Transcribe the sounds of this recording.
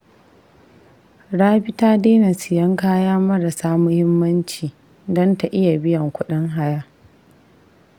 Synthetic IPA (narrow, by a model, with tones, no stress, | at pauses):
ɽaː˦ɸɪ˦taː˦deː˦na˨sɪ˨jɐ˦ŋkaː˦jaː˦mɐ˦ɾa˨saː˦mʊ˦hɪ˦mːɐ˦nt͡ʃiː˨ | dɔ˦nta˨ʔɪ˦ja˨bɪ˦jɐ˨ŋkʷʊ˦ɗɪ˦ŋɦa˦jaː˦